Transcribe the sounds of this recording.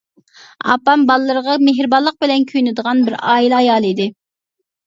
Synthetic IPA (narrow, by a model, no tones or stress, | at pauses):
ɑ̰pɑmbɑlˠɨlːˠəɾəʁɑmeɦɾɨbɑlˠːəq̚bɪlɛnkʲʰyjnɪd̪əʁɑnbɪɾɑːilɑjɑːlˠɨid̪ɪ